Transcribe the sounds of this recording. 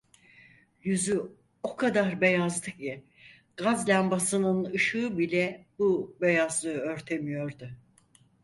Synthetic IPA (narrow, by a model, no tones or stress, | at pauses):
jyzy | o̞kʰad̪aɾbe̞jazlˠɯkji | ɡ̥azlʲæmbasɯnɯnɯʃɯːɯbilʲɛbube̞jazlˠɯɯø̞ɾt̪ʰe̞mijo̞ɾd̪ʊ